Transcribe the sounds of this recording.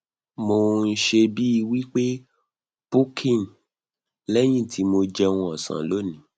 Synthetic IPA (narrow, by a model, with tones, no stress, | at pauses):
mo˧n̩˦ʃe˧bi˦i˧wi˦k͡pe˦ | pu˦kʰĩ˦˨n˨ | lɛ˦j̃ĩ˦˨tʰi˨˦mo˧d͡ʒɛ˧w̃ũ˧ɔ˨sã̰˨lo˨˦˨nĩ˨˧˦